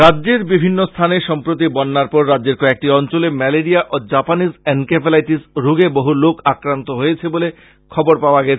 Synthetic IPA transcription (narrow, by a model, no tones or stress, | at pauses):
ɾadːʑeɾbibʱinːost̪ʰaneʃɔmpɾot̪̬ibɔnːaɾpɔɾːadd͡ʑeɾkɔek̚ʈiɔnt͡ɕolemɛleɾiaʔod͡ʑapanisɛnkepelajʈisɾuɡeboɦulokakɾant̪oɦojet͡ɕʰebole | kʰɔboɾpaoaɡɛt͡ɕʰe